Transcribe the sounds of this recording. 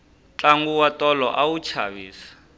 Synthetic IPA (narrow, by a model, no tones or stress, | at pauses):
t͡ɬaŋɡuwatɔlɔ̰ʔawut͡ʃʰa̰βiːsḁ